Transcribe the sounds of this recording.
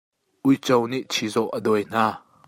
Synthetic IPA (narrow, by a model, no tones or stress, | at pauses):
ʔujt͡sɔwniʔt͡sʰizɔʔədɔjn̥aː